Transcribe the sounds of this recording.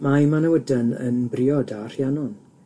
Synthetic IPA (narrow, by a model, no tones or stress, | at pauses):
maimanəwədənə̰nbrɪːɔdar̥janɔn